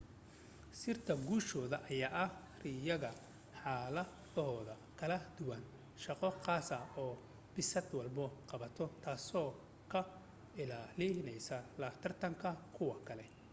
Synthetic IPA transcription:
sɪrt̪ʰɐɡuːʃɔːðɐʔɐjaːʔɐh | rɪjɐɣɐ | ħaːlɐ | ɔːðɐ | kʰɐlɐd̪ʊwɐn | ʃɑqɔqɑːsɐɔː | bɪsɐd̪wɑlbɐqɑβɐt̪ʰɔt̪ʰaːsɔː | kʰɐ | ɪlaːlɪnɛjsɐlɐːft̪ʰɐrt̪ʰɐŋkʰɐkʰʊwɐkʰɐlɛ

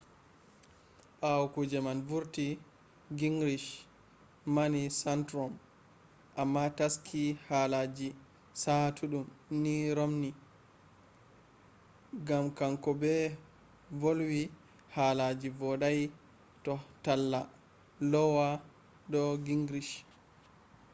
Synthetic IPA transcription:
ɓawkud͡ʒɛmanvuɾti | ɡiŋɡɾiʃ | manisantɾɔm | ʔamːataskʰihalad͡ʒi | satʰuɗumniɾomni | ɡamkaŋkɔbɛ | volwi | halad͡ʒivɔɗaj | tɔtalːa | lɔwa | dɔɡiŋɡɾiʃ

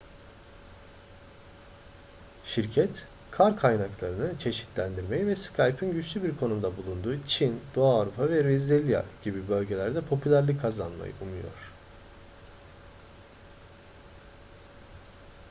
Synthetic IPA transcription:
ʃiɾcʰɛt̪ | kʰaɾkʰajnaklˠaɾɯnɯt͡ʃʰe̞ʃi̥t̪ʰlʲænd̪iɾme̞jivɛskʰajpʰinɟyt͡ʃlʲybiɾkʰo̞numd̪abulˠund̪uːt͡ʃʰind̪oaːvɾupʰavɛɾezilʲja̰ɟ̥ibibø̞lʲɟe̞lʲæɾd̪ɛpʰo̞pʰylʲæɾlʲikʰːazanma̰jɯ̰umujo̞̰ɾ̝̥

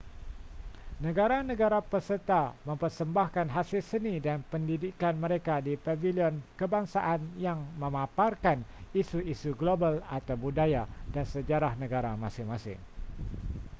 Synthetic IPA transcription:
nə̃ɡaɾanə̃ɡaɾapərsərt̪amə̃mpərsəmbahkanɦasɪlsənidanpəndidikanməɾekadipaviliɔnkəbaŋsaʔanjaŋmə̃mãparkanisuisuɡlobalat̪awbudajadansəd͡ʒaɾahnə̃ɡaɾamãsɪŋmãsɪ̰ŋ

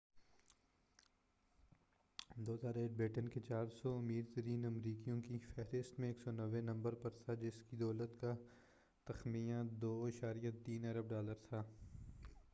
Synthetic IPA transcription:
d̪oːt̪aːɾeːʈ̚bɾɪʈənket͡ʃaːɾsɔɐmiːɾt̪əɾiːnɐmɾiːkijõkifɛɦɾɪst̪mẽeːksɔnɐʋenɐ̃mbəɾpɐɾt̪ʰad͡ʒɪskid̪ɔːlət̪ka | t̪ɐxmijãd̪oːɪʃaːɾijət̪iːnɐɾəb̚ɖaːləɾt̪ʰaː

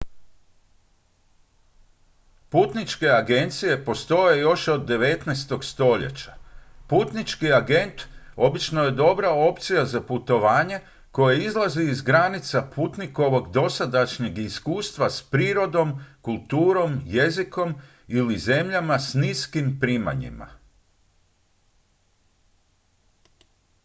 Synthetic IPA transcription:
puːt̪nit͡ʃke̞aɡe̞nt̪sije̞po̞st̪o̞je̞jo̞ʃo̞d̪ːe̞ʋe̞t̪nɛst̪o̞ɡst̪o̞ʎḛt͡ɕḁpuːt̪nit͡ʃkiaɡe̞nt̪o̞bit͡ʃno̞je̞d̪o̞bɾao̞p̚t̪sijazaput̪o̞ʋaːɲe̞ | ko̞jeizlˠaziːzɡɾanit̪sapʰuːt̪niko̞ʋo̞ɡd̪o̞sad̪aʃɲe̞ɡiskuːst̪ʋaspɾiːɾo̞d̪o̞mkulˠt̪uːɾo̞mje̞ziko̞m | ilize̞mʎamasniːskimpɾiːma̰ɲḭma̰

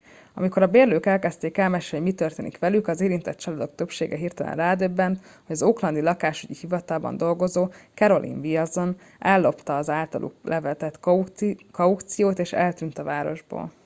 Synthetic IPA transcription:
ɒ̰miko̞ɾɒbeːrløːkɛlkɛst̪eːkɛlmɛʃɛoɟmit̪ørt̪eːnikʋɛlykɒzeːɾint̪ɛt̪t͡ʃɒlɒd̪o̞kt̪ø̞pʃeːɡɛɦiːrt̪ɛlɛ̰nraːd̪øbːɛnt̪ | ho̞ɟɒzoːklɒnd̪ilɒkaːʃyɟihivɒt̪aːlbɒ̰nd̪o̞lɡo̞zoːkɛɾo̞lʔḭɱviɒzo̞n | ɛlːo̞pt̪ɒːzaːlt̪ɒ̰lʔṵklʔɛvɛt̪ɛt̪ | kɒukt̪sijoːt̪eːʃɛ̰lt̪ynt̪ɒvaːɾo̞̰ʒbo̰ːl

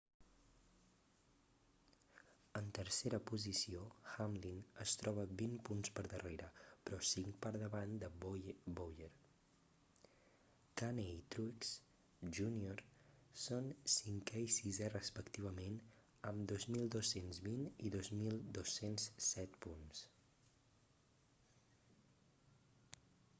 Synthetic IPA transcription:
ənt̪əɾseɾəpuzisioxamlinəst̪ɾɔβ̞əbimpunspəɾðəreɾəpɾɔsiŋkpəɾðəβand̪əbbojəɾ | t̪aneit̪ɾuks | ʒunioɾsonsiŋkɛisizɛrəspəkt̪iβ̞əmen | əmd̪ozmilˠd̪osenzβiniðozmilˠd̪osensːɛt̪puns

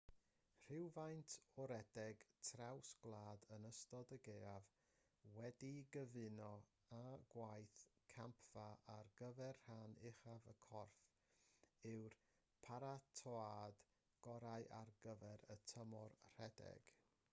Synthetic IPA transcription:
r̥ɪwvajntʰɔɾɛdɛɡtʰrawsɡ̥lˠaːdənəstɔdəɡeːav | wɛdiɡəvɪnɔ | aɡ̥wajθkʰampʰv̥aʔarɡəvɛrhanɪχavəkʰɔrf | ɪwr | pʰaɾatʰɔad̥ | ɡ̥ɔɾaɨʔarɡəvɛɾə̰tʰəmɔrr̥ɛdɛ̰ɡ̥

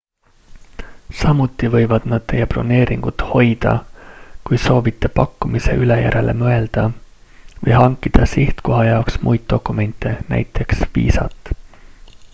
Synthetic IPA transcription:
sɑmut̪ˑːivɤ̞jvɑd̪̥nɑd̪̥̚t̪e̞jːepro̞̰ne̞ːɾʔiŋɡ̥ut̪ho̞jd̪̥ɑ̰kujso̞ːvit̪ːˑe̞pɑkːumise̞̰ʔylejæ̰ɾe̞lʔe̞̰mɤe̞ld̪̥ɑ | vɤjɦɑŋkːˑid̪̥ɑsiht̪ko̞ɦɑjɑoksmʔujd̪̥̚d̪̥o̞kːˑume̞nʲt̪ːˑe̞næ̰jt̪ːˑe̞ksvḭːsɑ̰t̪ːˑ

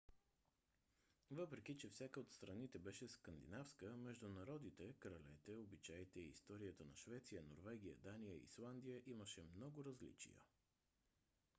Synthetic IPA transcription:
vɤpɾɛk̟it͡ʃɛfsʲakəot̪st̪ɾɐnit̪ɛbɛʃɛskənd̪ḭnafskəmɛʒd̪ʊnɐɾɔd̪nit̪ɛkɾɐlɛt̪ɛobit͡ʃajt̪ɛiːst̪ɔɾijət̪ənɐʃvɛt̪sijəno̰ɾvɛɡ̟ʲijə̰d̪anijəḭslˠand̪ijəʔiməʃɛmnɔɡʊɾɐzlḭt͡ʃḭjə̰

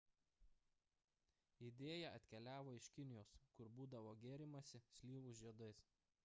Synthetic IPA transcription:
ɪd̪ʲeːjɛɐt̪ʲkʲɛlʲæːʋoːɪʃʲkʲɪnʲɪjoːskʊɾbuːd̪ɐʋoːɡʲeːɾʲɪmɐsʲɪsʲlʲiːʋʊʒʲiɛd̪ɐɪs

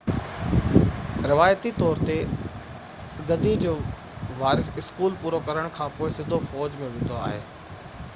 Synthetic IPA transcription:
ɾɪʋaːjət̪it̪ɔːɾt̪e | ɐɡɐd̪ʱid͡ʑoː | ʋaːɾɪsɪskuːlpuːɾokɐɾəɽ̃kʰãːpoːɪsɪ̃nd̪ʱofɔːd͡ʑmẽʋɪ̃nd̪oa̰ːɦḛː

